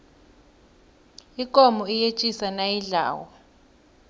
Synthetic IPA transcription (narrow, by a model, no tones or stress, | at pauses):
ikʼɔmɔijet͡ʃʼisanajiɮa̰ːwɔ